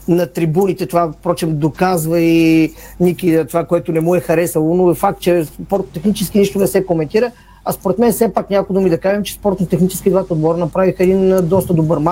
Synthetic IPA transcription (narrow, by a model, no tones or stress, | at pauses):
nɐt̪ɾibunit̪ɛt̪ovafpɾɔt͡ʃɛmd̪okazvəi | nʲikit̪ovakoɛt̪onɛmuɛxɐɾɛsəlˠonoɛfak̚t̪̚t͡ʃɛspɔɾt̪ot̪ɛxnit͡ʃɛsk̟iniʃt̪onɛsɛkomɛnt̪iɾə | ɐspoɾɛt̪mɛnsɛpaknʲakod̪omid̪ɐkaʒɛmt͡ʃɛ̥spɔɾt̪not̪ɛxnit͡ʃɛ̥sk̟id̪vat̪od̪bɔɾənɐpɾavixəɛd̪ind̪ɔst̪əd̪obəɾma